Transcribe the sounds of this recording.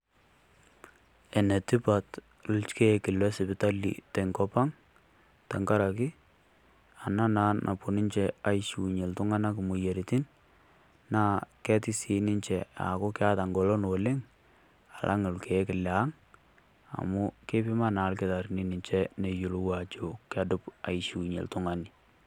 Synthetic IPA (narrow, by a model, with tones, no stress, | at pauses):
e˨ne˨ti˦pa˨t | lʊ˦lt͡ʃke˦kɪ˨lɛ˦sɪ˨bɪ˨ta˦lḭ˨te˨ŋkɔ˦pa˦ŋ | ta˨ŋka˦ɾa˨ki˦ | a˨na˦na˦nnʔa̰˨pu˨ni˦nt͡ʃe˨a˦jʃu˨ɲe˨ltʊ˦ŋa˦na˦kmu˨je˨ɾi˨ti˦n | na˦kɛ˦tɪ˦si˨nɪ˦nt͡ʃɛ˨a̰˨ko˦kɪ˦a˦ta˨ŋɡɔ˨lɔ˦no˨lɪ˦ŋ | a˨lʔa̰˦ŋo˨lke˨˦kɪ˨lja˨˦ŋ | a̰˨mʊ˦ke˦pɪ˦ma˦na˨˦lke˦ta˨ɾni˦nɪ˨ɲt͡ʃɛ˦ne˨ju˨lo˦wa˨t͡ʃo˨ka˦dʊ˦pa̰˨iʃu˨ɲḛ˨ltʊ˦ŋa˦ni